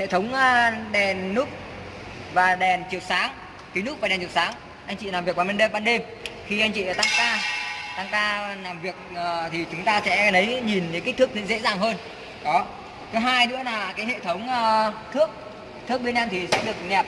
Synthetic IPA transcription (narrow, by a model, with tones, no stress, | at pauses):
hḛ˧˨t̪ʰə˨˦wŋ͡mːɗɛ˨˩nːu˦˥k͡p̚ | vaː˨˩ɗɛ˨˩nt͡ɕɨ˨˩ək̚saː˨˦ŋ | k̪i˨˦nu˦˥k͡p̚vaː˨˩ɛ˨˩nt͡ɕɨ˨˩saː˨˦ŋ | ʔa˧jŋ̟t͡ɕḭ˧˨naː˨˩vi˨˩k̚ɓaː˨˩mə˧nɗe˧mɓaː˧nɗe˧m | xi˧ʔa˧jŋ̟t͡ɕḭ˧˨˩t̪a˧ŋkaː˧t̪a˧˩ŋkaː˧naː˨˩mvi˨˩ək̚ːt̪ʰi˨˩t͡ɕʊ˨˦ŋ͡mt̪aː˧sɛ̰˧˥nə˨˦jɲi˨˩nɲɨ˨˦ka˦˥k̚t̪ɨ˦˥k̚zɨ̰˧˥zḛ˧˥zaː˨˩ŋɦəː˧n | kɔ˨˦ | t̪ʰɨ˨˦ɦaː˧jnɨ̰˧˥ənaː˨˩kaː˨˦jhḛ˧˨t̪ʰə˨˦wŋ͡mːt̪ʰɨ˦˥ək̚ | t̪ʰɨ˦˥ək̚ɓe˧nɗɛ˧mt̪ʰi˨˩sɛ̰˧˥ɗɨ˨˩ək̚nɛ˨˩p̚